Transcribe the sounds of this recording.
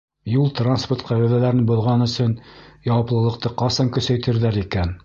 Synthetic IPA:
julˠt̪ransport̪qæβæðælæɾɘnbŏðʁɑnɵ̆sɵnjɑwɑplˠɤ̆lˠɤ̆qt̪ɤqɑsɑŋkɵ̆sæjt̪ɘ̆ɾðæɾikæn

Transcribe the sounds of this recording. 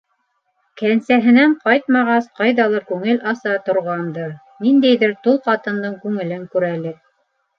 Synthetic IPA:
kænsæɦɘ̆næɴqɑjt̪̚mɑʁɑsqɑjðɑlˠɑkʉŋɘlʔɑsɑt̪ŏɾʁɑnd̪ɤ | nind̪æjðɘɾt̪ulˠqɑt̪ɤ̆nd̪ɤɴkʉŋɘ̆lɘŋkʉɾælɘk̚

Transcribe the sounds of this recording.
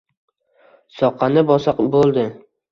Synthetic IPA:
sɒqʰɑnɪbɒsɑqbolˠd̪ɪ

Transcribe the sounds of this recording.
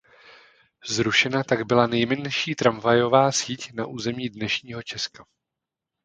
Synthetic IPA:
zɾuʃɛnat̪aɡbɪlanɛjmɛnʃiːt̪ɾamvajo̞vaːsiːcnaʔuːzɛmɲiːdnɛʃɲiːɦo̞t͡ʃɛska

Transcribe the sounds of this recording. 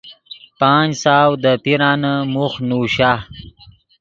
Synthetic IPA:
paːnsaːwd̪əpiɾaːnəmuxnuːɕa

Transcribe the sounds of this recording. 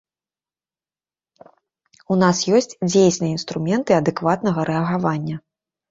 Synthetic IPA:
unasjɔsʲt͡sʲd͡zʲejsʲnɨjinst̪ɾumʲɛnt̪ɨɐd̪ɨkvat̪nɐɣɐɾɛɐɣavanʲːɐ

